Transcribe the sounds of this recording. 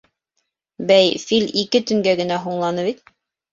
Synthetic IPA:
bæjfilʲikɘt̪ɵ̆ŋɡæɡɘ̆næɦuɴlˠɑnɤβit̪̚

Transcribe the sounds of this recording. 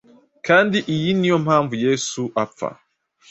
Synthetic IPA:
kʰandiʔijinijɔm̩aɱvujɛsuʔafa̰

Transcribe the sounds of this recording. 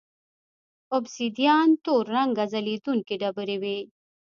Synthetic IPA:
obsid̪ijaːnt̪oːɾːɐŋɡɐzɐlit̪unkeɖɐbɨɾewe

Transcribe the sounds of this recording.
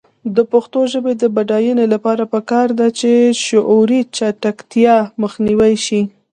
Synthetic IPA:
d̪əpəxt̪oʒəbed̪əbaɖɑjunelapɑɾapəkɑɾd̪at͡ʃeʃʊʔuɾit͡ʃaʈakt̪jɑməxniwajʃi

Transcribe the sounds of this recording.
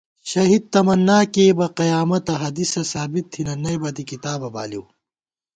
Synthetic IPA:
ɕɐɦid̪̚t̪ɐmɐnːaːkeːbɐqɐjaːmɐt̪ɐɦɐd̪isɐsaːbit̪ʰːinɐnɐjbɐd̪ikit̪aːbɐba̰ːliw

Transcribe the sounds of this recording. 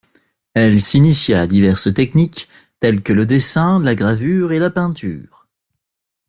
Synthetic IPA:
ɛlsinisjad̪ivɛʁst̪ɛknik | t̪ɛlkələd̪esɛ̃laɡʁavyːʁelapɛ̃t̪ʰy̰ːʁ

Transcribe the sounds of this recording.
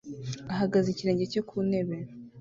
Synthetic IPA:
aɦaɡaziciɾe̞ːɲɟe̞cokʰune̞βeɾ

